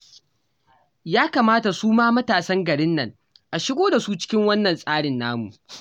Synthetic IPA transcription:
jaː˦kaː˨maː˦ta˨suː˦maː˦mɐ˦taː˨sɐ˦ŋɡɐ˨ɽɪ˦nːɐ˨ŋ | ʔa˨ʃɪ˦ɡʷoː˦da˨su˦t͡ʃɪ̥˦kʲɪ˦ŋwɐ˦nːɐ˨nsʼaː˦ɽɪ˨nːaː˦mṵ˨ʔ

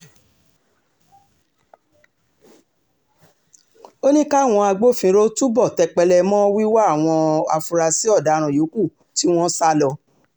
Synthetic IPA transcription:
o˦nĩ˦ka˦˨w̃ɔ̃˧a˧ɡ͡bo˦˨fĩ˧ɾo˦tu˦bɔ˦˨tɛ˧k͡pɛ˧lɛ˧mɔ̃ː˦wi˦wa˦˨w̃ɔ̃˧a̰˧fu˧ɾa˧si˦ɔ˦˨da˨˦ɾ̃ã˨jo˨˦ku˦˨ | ti˦w̃ɔ̃˦sa˦lɔ˧

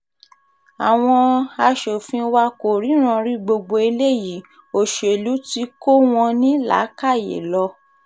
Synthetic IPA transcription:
a˨w̃ɔ̃˧a˧ʃo˨fĩ˧wa˧ko˨ɾi˨˦ɾ̃ã˧ɾi˦ɡ͡bo˧ɡ͡bo˧i˧le˦˨ji˨˦ | o˨ʃo˨e˨lu˨˦ti˧˦ko˦w̃ɔ̃˧nĩ˦la̰˨˦ka˦˨jḛ˨lɔ˧˦

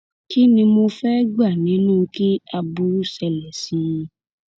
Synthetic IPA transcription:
ki˦nĩ˧mo˧fɛ˦ɡ͡ba˦˨nĩ˨˦nũː˦˧ki˦a˧bu˧˦ɾsɛ˧lɛ˨sĩ˨˧

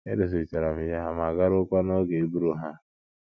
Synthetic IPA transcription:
ḛ˦do˨s̬i˨t͡ʃa˨ɾa˨m̩˨ja˦ɦa˨ma˨ɡa˦ɾʊ˦kʷa˦no˦ɡe˨e˦bu˦ɾu˦ɦa˦

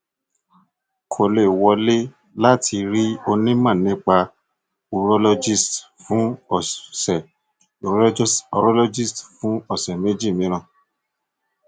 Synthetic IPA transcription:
kʰo˨le˨wɔ˨˧le˦ | la˦tʰi˧ɾi˦o˧nĩ˦mã˦˨nĩ˦k͡pa˧ | u˧ɾo˦lo˧d͡ʒi˦˨st | fũ˨˦˨sɛ˨ | o˨ɾsɔ˧ɾɔ˦lo˧˦d͡ʒi˦˨stfũ˨˦ɔ˦˨sɛ˨me˦d͡ʒi˦˨mĩ˨˦ɾ̃ã˦˨

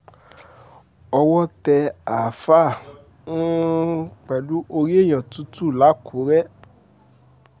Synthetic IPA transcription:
ɔ˧wɔ˦tɛ˧a˨fa˦˨ | nũ˦ | k͡pɛ˨lu˦ʔo˧ɾi˦e˦˨j̃ã˨tu˨˦tu˦˨la˨˦kʰu˨˦ɾɛ˦

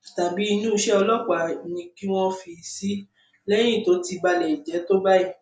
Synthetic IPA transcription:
ta˨bi˨˦i˧nũ˦˧ʃɛ˦ɔ˧lɔ˦k͡pa˨nĩ˧ki˦w̃ɔ̃˦fi˧si˦ | lɛ˦j̃ĩ˦˨to˨˦ti˧ba˧lɛ˨i˨d͡ʒɛ˨˦to˦ba˦i˧˨

